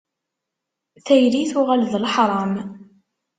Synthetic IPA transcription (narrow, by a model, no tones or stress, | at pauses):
θæjɾiθʊʁælðlħɾˤɑm